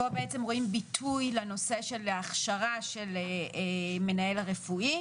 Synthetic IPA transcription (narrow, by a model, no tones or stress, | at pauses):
o̞beet͡semʁo̞imbitʰujleno̞se̞ʃe̞laχʃaʁaʃeleeme̞nae̞lʁefui